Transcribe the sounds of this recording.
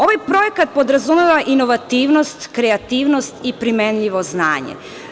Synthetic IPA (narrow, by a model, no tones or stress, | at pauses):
o̞ʋajpɾo̞jekat̪̚po̞d̪ɾazumeʋaʔino̞ʋat̪iːʋno̞st̪kɾeat̪iːʋnost̪ipɾimenʎiʋo̞zna̰ːɲḛ